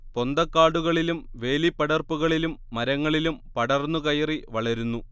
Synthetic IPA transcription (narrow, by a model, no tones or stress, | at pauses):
po̞nd̪ɐkːaːɽuɣɐɭilumʋe̞ːlipːɐɽɐrpuɣɐɭilumːɐɾɐŋːɐɭilumpɐɽɐrnːukɐjɐriʋɐɭɐɾunːu